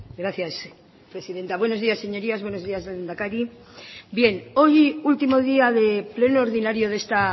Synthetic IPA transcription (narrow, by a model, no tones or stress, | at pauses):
ɡɾaθjas | pɾe̞siðe̞nt̪aβwe̞no̞zðiasːe̞ɲo̞ɾiazβwe̞no̞zðiazðend̪akaɾi | bje̞no̞jult̪imo̞ð̞iaðe̞ple̞noːɾðinaɾjo̞ðe̞st̪a